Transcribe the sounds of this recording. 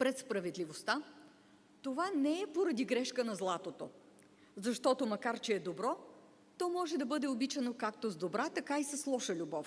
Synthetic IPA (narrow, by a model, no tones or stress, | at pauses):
pɾɛt̪spɾɐvɛd̪lʲivost̪a | t̪ovanɛɛpoɾɐd̪iɡɾɛʃkənɐzlˠat̪ot̪o | zɐʃt̪ɔt̪omɐkaɾt͡ʃɛːd̪obɾɔ | t̪ɔmɔʒɛd̪ɐbɤd̪ɛobit͡ʃɐnokakt̪ozd̪obɾat̪ɐkaisɐslˠɔʃəlʲubɔf